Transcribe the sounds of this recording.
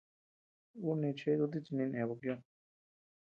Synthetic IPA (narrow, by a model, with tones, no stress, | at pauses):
u˦nẽ˧t͡ʃe˧˦˧u˧t̪̬i˦˧t͡ʃi˧nĩ˧nẽ˨βo˧kjõ˧